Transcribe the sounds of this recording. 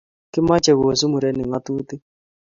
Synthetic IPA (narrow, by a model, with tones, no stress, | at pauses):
kɪ˦ma˦t͡ʃɛ˨ɣo˨s̬u˦mu˨ɾɛ˦nɪ˨ŋa˦t̪u˦t̪ɪ˦